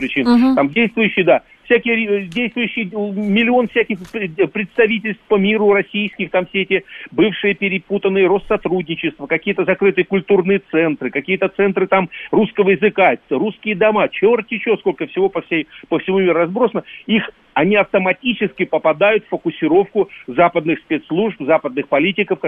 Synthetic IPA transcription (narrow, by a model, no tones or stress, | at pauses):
pɾʲɪt͡ɕinamdʲejst̪vʊjʏɕːɪjd̪a | fsʲækʲɪjədʲejst̪vʊjʉɕːɪjmʲɪlʲɪo̞nfsʲækʲɪxpɾʲɪt̪st̪ɐvʲitʲɪlʲst̪fpəmʲiɾʊrɐsʲijskʲɪxt̪amfsʲeetʲɪbɨfʂɨjəpʲɪɾʲɪput̪ənːɨjəɾo̞st̪sːɐt̪ɾudʲnʲɪt͡ɕɪst̪vəkɐkʲijət̪əzɐkɾɨt̪ɨjəkʊlʲt̪urnɨjət̪sɛnt̪ɾɨkɐkʲijət̪ət̪sɛnt̪ɾɨt̪amruskəvəjɪzɨkaɾuskʲɪjəd̪ɐmat͡ɕorttʲɪt͡ɕosko̞lʲkəfsʲɪvo̞pəfsʲejpəfsʲɪmumʲiɾʊrɐzbɾo̞sənəix | ɐnʲiɐft̪əmɐtʲit͡ɕɪskʲɪpəpɐd̪ajʊt̪ffːəkʊsʲɪɾo̞fkʊzapəd̪nɨxspʲet̪slˠuʐpzapəd̪nɨxpɐlʲitʲɪkəf